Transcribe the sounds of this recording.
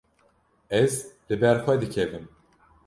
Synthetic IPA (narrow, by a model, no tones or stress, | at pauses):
ɛzlɨbɛɾxʷɛd̪ɨkʰɛvɨm